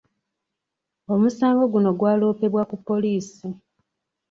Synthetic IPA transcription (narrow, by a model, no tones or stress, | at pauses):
o̞musaːŋɡo̞ɡuno̞ɡwaːlo̞ːpe̞βwakupːo̞liːsi